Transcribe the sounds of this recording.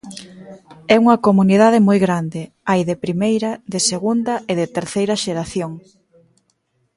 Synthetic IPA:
ɛuŋɐkomuniðaðɪmojɣɾand̪ɪ | ajðɪpɾimejɾɐðɪseɣund̪ɐɪðɪt̪eɾθejɾɐʃeɾaθjoŋ

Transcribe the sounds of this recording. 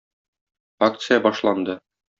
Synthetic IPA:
akt̪sɨjabɒʃlˠɑnd̪ɤ

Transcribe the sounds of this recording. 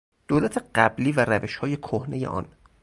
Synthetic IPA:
d̪̥oːlæt̪ʰeɢ̥æbliːvæɾæveʃhɒːje̞kʰohne̞je̞̰ʔɒ̰ːn

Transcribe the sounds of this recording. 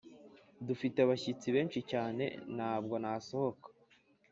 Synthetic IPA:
dufiteaβaçit͡siβe̞ːnʃicaːne̞̰nhaːbɡo̞naso̞ho̞kḁ

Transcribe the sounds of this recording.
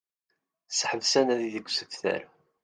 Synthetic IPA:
sħəvsænæðiðəɡʷːsəfθæ̰ɾ

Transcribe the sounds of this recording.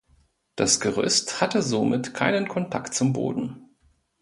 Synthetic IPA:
d̥asɡ̥əʁ̞ʏ̰sthatəzomɪtkʰaɪnənkʰɔntʰa̰ktt͡sʊmbo̰ːdn̩

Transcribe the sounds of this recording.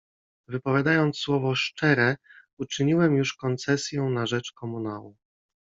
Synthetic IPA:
vɘpɔvʲjad̪ajɔnt̪swɔvɔʂt͡ʂɛɾɛut͡ʂɘɲiwɛmjuʂkɔnt̪sɛsʲjɛ̃w̃naʐɛt͡ʂkɔmunawu

